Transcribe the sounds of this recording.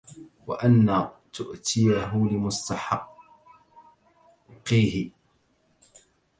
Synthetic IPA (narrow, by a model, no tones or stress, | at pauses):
wa̰ʔanːaːt̪ʊʔt̪ʰɪjaɦʊlɪmʊst̪aħɑ | qːiːhɪ